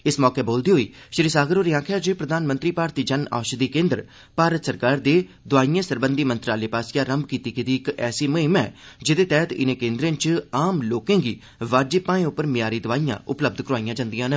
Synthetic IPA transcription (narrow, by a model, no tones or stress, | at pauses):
ɪsmɔːkeːboːld̪iːɦoːḭː | ʃɾiːsaːɡəɾoːɾiːãːkʰaːd͡ʒepɾəd̪aːnmə̃nt̪ɾiːpaːɾt̪iːd͡ʒəna̰ːʃd̪iːkẽːnd̪ɾ | paːɾət̪səɾkaːɾd̪eː | d̪ʊaːijãːsəɾbənd̪iːmə̃nt̪ɾaːleːpaːsjaːɾəmbkiːt̪iːkɪd̪iːɪkɛːsiːməɦɪmɛ̰ːd͡ʒɪd̪eːt̪ɛːt̪ɪ̰nẽːkẽːnd̪ɾẽːnt͡ʃaːmloːkẽːɡiː | ʋaːd͡ʒepːãːẽːʊpːəɾmɪjaːɾiːd̪ʊʋaːijã̰ːʊpləb̚d̪kəɾoaːijãːd͡ʒãːnd̪ijãːnə